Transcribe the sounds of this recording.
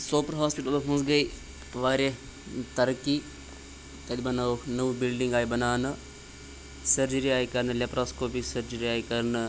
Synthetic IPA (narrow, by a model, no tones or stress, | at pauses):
soːpɾɦaːspiʈɐlɦũnsɡɐi | ʋaːɾe | t̪ɐɾki | t̪ɐd̪ibɐnanɐʋbilɖiŋɡaːjibɐnaːnɨ | sɐɾd͡ʒəɾiaːikɐɾnɨlʲepɾaːskoːpisɐɾd͡ʒəɾiaːikɐɾnɨ